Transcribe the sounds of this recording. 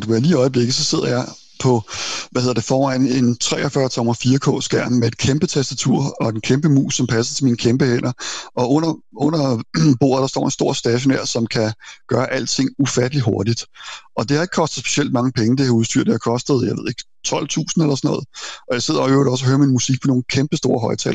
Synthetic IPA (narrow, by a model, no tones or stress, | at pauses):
d̥uʋæɐliːɒ̽ɪəb̥le̝ɡ̥ð̩ˠsɒ̽se̝ð̞̰ˠɐjɑ̈ɪ | pʰɒ̽ʋæheðˠɐd̥e̝fɒːʁɑɪ̰ne̝nt͡sʰʁɛ̰ːʔɒfɶɐt͡sʰɒ̽mɐfiːɐkʰɔ̰̽ːsɡ̥æɐ̰mmee̝d̥̚kʰemb̥ət͡sʰæsd̥æt͡sʰuɐ̰ɒ̽d̥enkʰemb̥əmṵːsɒ̽mpʰæsɐt͡sʰe̝lmiːnəkʰemb̥əhen̰ɐɒ̽ɔ̽n̰ɐɔn̰ɐb̥o̝̰ːɐð̩ˠd̥ɑsd̥ɒ̰ːe̝nsd̥o̝ɐ̰sd̥ɛɕ̬o̝næɐsɒ̽mkʰæɡ̥ɶːɐʔæl̰d̥̚t͡sʰe̝ŋ̰ufæd̥əliɦo̝ɐdid̥ʔɒ̽d̥e̝hɑ̈eɡ̥̚kʰɒ̽sd̥ð̩sb̥e̝̥siel̰d̥̚mɑ̈ŋəpʰeŋəd̥e̝hɑ̈uð̞ˠsd̥y̰ɐ̰d̥̚ehɑ̈kʰɒ̽sd̥ð̩ˠjɑɪe̝ðˠe̝ɡ̥ | t͡sʰɒ̽l̰t͡sʰṵːsn̩elɐsɒnɔ̽ːð̞̩ˠʔɒ̽jɑ̈ɪse̝ð̞̰ˠɐɒøʊɐɾɒ̽s̬ɒhøːɐminmusiɡ̥̚pʰɒ̽no̝ːn̩kʰemb̥əsd̥o̝̰ːɐɦɒ̽ɪt͡sʰɛ̰l